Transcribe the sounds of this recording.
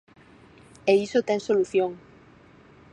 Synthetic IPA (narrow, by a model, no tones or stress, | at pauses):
eisot̪ɛŋsoluθjoŋ